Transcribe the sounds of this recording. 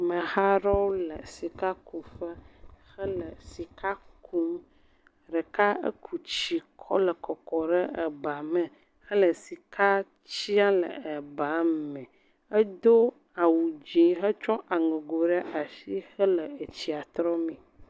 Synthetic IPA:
mə̃˨ha˦ɾɔ˦wlə˨si˨ka˦ku˨fə˦xə˦lə˨si˨kʰa˦kʰu˦m | ɖə˨ka˦ə̰˦kʰu˨t͡ɕi˨kʰɔ̰˦lə˨kɔ˨kɔ˨ɖə˦ə˨ba˨mɛ̃˨ | xə˦lə˨si˨ka˦ | t͡ɕi˦a˦lə̰˨ə˨ba˨˦mɛ̃˨ | ə˦d̪o˦ | a˨wu˨d͡ʒĩ˨ɦə˦t͡ʃɔ˦ʔa˨ŋẽ˨ɡo˨ɖə˦ʔa˨ʃi˦xə˦lə˨e˨t͡ɕi˨a˨t̪ɾɔ˦mɛ̃˨

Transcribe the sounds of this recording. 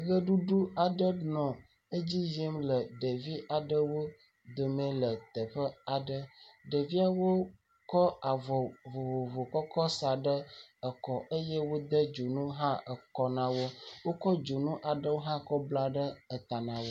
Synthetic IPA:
ɣə˦ɖu˦ɖu˦a˨ɖə˦nɔ̃˨ | ə˦d͡ʑi˦ʒe˦mlə˨ɖe˨vi˦ʔa˨ɖə˦wo˦ | d̪o˨mẽ˦lə˨t̪ə˨ɸə˦a˨ɖə˦ɖə˨vi˦a˦wo˦ | kɔ˦a˨vɔ˨vo˨vo˨vo˨kɔ˦kɔ˦sa˨ɖə˦ə˨kɔ˨ʔə˦jɛ˦wo˦d̪ə˦d͡ʒo˨nũ˦ɦã˦ə˨kɔ˦nã˦wo˦wo˦kɔ˦d͡ʒo˨nũ˦ʔa˨ɖə˦wo˦ɦã˦kɔ˦bla˦ɖə˦ə˨t̪a˨nã˨wo˦

